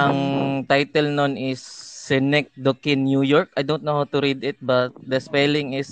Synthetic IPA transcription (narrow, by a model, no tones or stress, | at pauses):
ʔɐŋt̪ajt̪ɛlnonʔɪsːɛnɛk̚d̪okɪnjujoɹk̚ɐjd̪ownt̪̚nɐhawt̪ʊɾid̪ɪt̪̚bɐt̪̚d̪ɐspɛlɪŋɪs